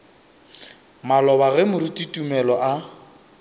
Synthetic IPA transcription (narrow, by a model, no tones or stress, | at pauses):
malɔβaɣɛmʊɾitʼitʼumɛlɔʔa